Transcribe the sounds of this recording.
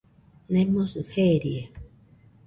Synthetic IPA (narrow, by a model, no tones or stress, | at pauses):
nẽmõsɨheɾie